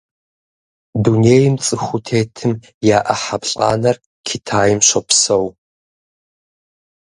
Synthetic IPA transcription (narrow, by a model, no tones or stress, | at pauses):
duneːjɪmt͡sʼɨxʷʊtʰeːtʰɨm | jaːʔɐħapɬʼa̰ːnɐr | kʰitʰaːjɪmɕʷɐpsɐw